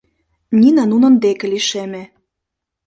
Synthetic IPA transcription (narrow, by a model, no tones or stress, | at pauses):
nʲinɑnunɤ̆nd̪ekĕliʃemĕ